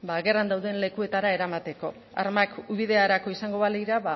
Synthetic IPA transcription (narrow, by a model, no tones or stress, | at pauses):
baɣe̞rand̪awðenle̞kue̞t̪aɾae̞ɾamat̪e̞ko̞ | a̰ɾmakuβiðe̞aɾako̞isaŋɡo̞βaliɾaβa